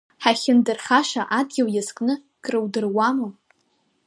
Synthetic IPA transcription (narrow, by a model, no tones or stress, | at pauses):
ħaχʲɪndɨrχaʃaʔadɡʲawjaskʼnɨ | kʼrɨwdɨrwamɨ